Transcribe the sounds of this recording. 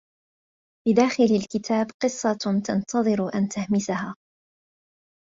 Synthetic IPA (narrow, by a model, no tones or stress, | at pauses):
fid̪aːxɪlalkɪt̪ʰaːbqɨsˤːɑt̪ɑnt̪ʰɑðˤɨɾʔant̪ahmɪsahaː